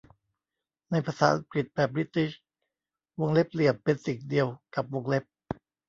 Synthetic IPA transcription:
na˧jpʰaː˧saː˩˦ʔa̰˧ŋkli˨˩t̪̚bɛː˨˩p̚ɾi˦˥t̪i˦ɕ | wo˧ŋle˦˥p̚li˨˩əpːe˧nsi˨˩ŋdi˧əwka˨˩p̚wo˧ŋle˦˥p̚

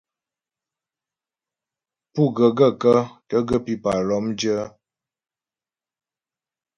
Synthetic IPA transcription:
pu˦ɡə˨ɡə˦˨kə˦kə˦ɡə˦pi˦pa˨lɔ˨˦md͡ʒə˦

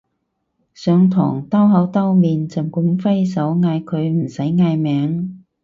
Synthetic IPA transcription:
sœː˨˧ŋt̪ʰɔ̰ː˨˩ŋt̪ɐ˥wɦɐ˨˥wt̪ɐ˥wmiː˨nt͡sɐ˨˩mkʊ˧˥ŋfɐ˥jsɐ˨˥wŋaː˧jkʰɵ˨˧ɥm̩˨˩sɐ˨˥jŋaː˧jmɛː˨˥ŋ

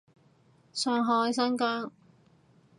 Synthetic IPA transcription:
sœː˨˧ŋɦɔː˨˧jsɐ˥nkaː˥ŋ

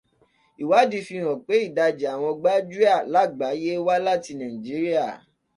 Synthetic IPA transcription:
i˨wa˨˦di˧fĩ˧˨ɾ̃ɔ̃˨k͡pe˨˦i˦˨da˧d͡ʒe˨a˨w̃ɔ̃˧ɡ͡ba˦d͡ʒu˦a˦˨la˦˨ɡ͡ba˨˦je˦wa˦la˦˨ti˧nã˨ĩ˨d͡ʒi˨˦ɾi˦a˦˨

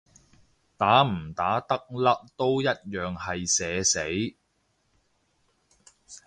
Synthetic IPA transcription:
t̪aː˨˥m̩˨˩t̪aː˨˥t̪ɐ˥k̚lɐ˥k̚t̪o˥wjɐ˥t̚jœː˨ŋhɐ˨jsɛː˨˧se˨˥j

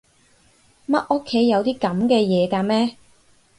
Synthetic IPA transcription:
mɐ˦˥t̚ʔo˥kʰːe˨˥jːɐ˨˧wt̪iː˥kɐ˨˥mkɛː˧jɛː˨˧kaː˧mɛː˥

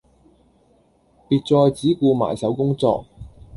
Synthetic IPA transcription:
piː˧t̚t͡sɔː˧jt͡siː˨˥kuː˧ma̰ː˨˩jsɐ˨˥wkʊ˥ŋt͡sɔ̰ː˧k̚

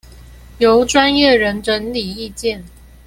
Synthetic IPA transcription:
jo˨˦ʊʈ͡ʂwa˦njɛ˥˨ɻə˧˥nʈ͡ʂə˧˥nli˨˩i˥˧t͡ɕjɛ˥˨n

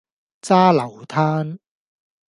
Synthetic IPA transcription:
t͡saː˥lɐ˨˩wt̪ʰaː˥n

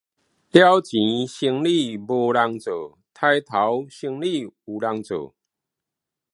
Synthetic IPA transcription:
lja˦wt͡ɕĩ˨˦ɕi˧ŋli˥˧bo˧la˧ŋt͡so˨˩ | t̪ʰa˧jt̪ʰa˨˦wɕi˧ŋli˥˨u˨˩la˧ŋt͡so̰˨˩

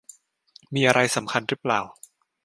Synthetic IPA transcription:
miː˧ʔa˧ɾa˧jsa˩˦mkʰa˧nɾɯ˦˥plaː˨˩w

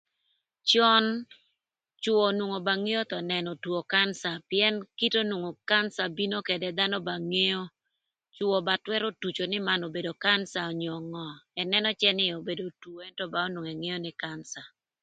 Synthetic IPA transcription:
t͡ʃɔ˦n | t͡ʃʊ˦o˨nwo˨ŋo˨ba˨ŋe˦jo˦t̪ɔ˨nɛ˨nɔ˨two˨ka˦nsa˨pɪɛ˦nki˦to˦nwo˨ŋo˨ka˦nsa˨bi˦no˦ke˨dɛ˦d̪a˦nɔ˦ba˨ŋe˦jo˦ | t͡ʃʊɔ˨ba˨twɛ˦ɾo˦tu˨t͡ʃo˨nɪ˦ma˦no˨be˨do˨ka˦nsa˨ɔ˨ɲɔ˨ŋɔ˨ɛ˨nɛ˦nɔ˦t͡ʃɛ˦nɪ˦o˨be˨do˨two˨e˦ntɔ˦ba˨o˦nwo˨ŋɛ˨ŋe˦jo˦nɪ˦kansa˨

